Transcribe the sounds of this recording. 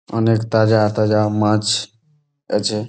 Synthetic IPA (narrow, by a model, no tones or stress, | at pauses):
ə̰nekt̪ad͡ʒat̪ad͡ʒamãt͡ʃ | et͡ʃʰe